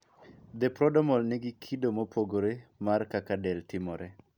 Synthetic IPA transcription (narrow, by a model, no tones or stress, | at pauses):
d̪epɾɔdɔmɔlnɪɡɪkʰidomopʰoɡoɾemarkakadɛltɪmɔɾɛ